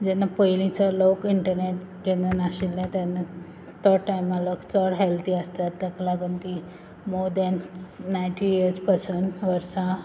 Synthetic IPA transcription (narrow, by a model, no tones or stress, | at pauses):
d͡ʑɛnːapəjlĩt͡salokiɳʈəɾneʈ | ɡenunaɕilːẽt̪ɛna | t̪ɔʈajmaləkt͡sɔɽɦelt̪ʰiəst̪at̪ːəklaɡunt̪i | moɾd̪ɛnːajɳʈijiɾd͡zpasuːnʋəɾsã